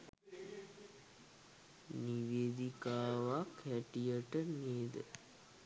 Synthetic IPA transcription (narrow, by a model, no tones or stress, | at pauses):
niʋeːd̪ikaːʋakhæʈijəʈəneːd̪ə